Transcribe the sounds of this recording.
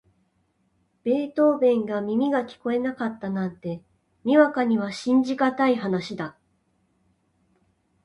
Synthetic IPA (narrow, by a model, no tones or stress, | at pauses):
b̥e̞ːt̪o̞ːbẽ̞ŋɡamʲimʲiɡakʲi̥ko̞e̞nakat̪ːanãnt̪e̞ | mʲiβakaɲ̟iβaɕĩɲ̟d͡ʑikat̪aiɦanaɕid̪a